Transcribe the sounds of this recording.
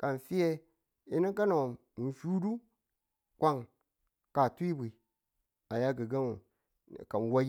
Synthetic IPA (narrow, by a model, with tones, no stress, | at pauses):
ka˨n˨fi˦je˦ | i˦ni˦ka˦no˨ | fu˦du˦ | kʷa˦ŋ | ka˨tu˦i˦bʷi˨ | a˨ja˦ɡi˨ɡa˦nu˨ | ka˨n˨wa˦